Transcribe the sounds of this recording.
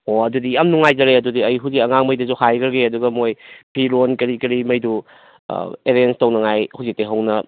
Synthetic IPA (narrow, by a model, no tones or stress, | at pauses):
oɐdudiɐmnuŋajzɐɾeɐdudiɐjɦuwzikɐŋaŋmɐjdɐzuhajɡɐɾɡeɐduɡɐmojpʰiɾonkɐɾikɐɾimɐjdṵ | eɾenstɐwnɐŋajhuwzik̚teɦɐwnɐ